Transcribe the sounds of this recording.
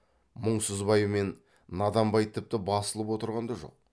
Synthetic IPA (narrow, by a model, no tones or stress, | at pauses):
mʊɴsəzbɑjəme̞nː | ɑd̪ɑmbɑjt̪ʰɪp̚t̪ɪbɑsəlˠəpwo̞t̪əɾʁɑnd̪ɑʒo̞̰q̚